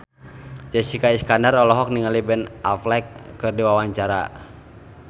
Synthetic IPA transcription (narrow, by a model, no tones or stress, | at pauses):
d͡ʒɛsikaiskandarɔlɔɦɔk̚niŋalibɛnʔa̰flɛkːɨrdiwawaɲt͡ʃaɾa̰